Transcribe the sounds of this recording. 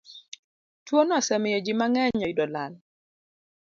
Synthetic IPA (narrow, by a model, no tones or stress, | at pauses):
twonasɛmɪjɔd͡ʒɪmaŋɛɲɔɪdɔlal